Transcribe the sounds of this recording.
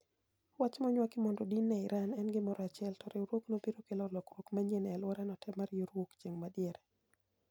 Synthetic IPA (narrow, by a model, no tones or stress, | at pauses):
wat͡ʃmɔɲwakɪmɔndodinːɛɪɾanɛnɡɪmɔɾɔat͡ʃɛltɔɾeɾwoknobiɾokelɔlɔkrwokmaɲenalwɔɾanɔtɛmaɾjoɾwokt͡ʃeŋmadjɛɾɛ